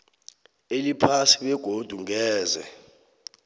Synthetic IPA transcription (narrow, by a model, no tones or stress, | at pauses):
elipʰasiɓɛɡ̥ʱod̥ʱuŋɛːzɛ̰